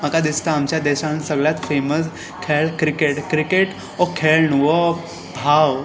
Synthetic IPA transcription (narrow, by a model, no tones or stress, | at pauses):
məkad̪ist̪əamt͡ɕjad̪ɛɕansəɡɭjat̪feməs | kʰeɭkɾikeʈkɾikeʈ | ɔkʰeɭnuʋɔ | bʱaw